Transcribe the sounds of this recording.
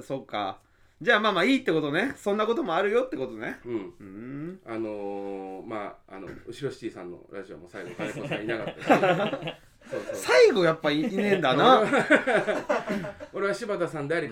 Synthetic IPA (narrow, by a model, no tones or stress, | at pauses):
so̞ːka̰ | d͡ʑaːmaːmaːiːt̪ːe̞ko̞t̪o̞ne̞sõ̞nːako̞t̪o̞mo̞aɾɯ̟jot̪ːe̞ko̞t̪o̞neɯ̟̃ɴɯ̃anoma̰ːno̰ɯ̟ɕiɾo̞ɕi̥t͡ɕiːsã̰nːo̰ɾʔa̰ʑio̰mo̰ːsaiɡoɡaɾekosãinakat̪ːa | soːssaiɡo̞japːaiːnẽ̞nd̪anna | oɾe̞βaɕibat̪asãnd̪eaɾʲi